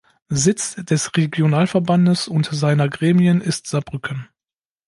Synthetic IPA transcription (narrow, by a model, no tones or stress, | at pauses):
zɪt͡sd̥ɛsʁeɡjonaːlfɛɐbandəsʊntzaɪnɐɡʁeːmiənɪstz̥abʁʏkʰən